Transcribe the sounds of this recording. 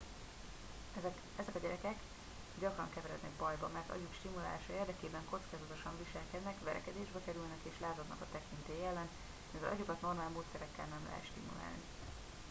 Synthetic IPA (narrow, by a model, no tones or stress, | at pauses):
ɛzɛkɒɟɛɾɛkɛk | ɟɒkrɒŋkɛvɛɾɛd̪nɛɡbɒjbɒmɛrt̪ɒ̰ɟukʃt̪imula̰ːlaːʃɒeːrd̪ɛkeːbɛŋko̞t̪skaːzɒt̪o̞ʃɒɱviʃɛlkɛd̪nɛkʋɛɾɛ̰kɛd̪eːʒbɛkɛɾylnɛkeːʃlaːzɒd̪nɒ̰kɒt̪ɛkint̪eːjɛlːɛn | mivɛlʔɒɟukɒt̪no̞rmaːlmoːt̪sɛɾɛkːɛlnɛmlɛ̰ɦɛ̰t̪ʃt̪ḭmṵla̰ːlni